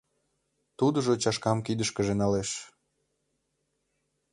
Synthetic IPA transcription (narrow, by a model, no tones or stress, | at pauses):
t̪ud̪ə̆ʒot͡ɕɑʃkɑmkid̪əʃkəʒenɑleʃ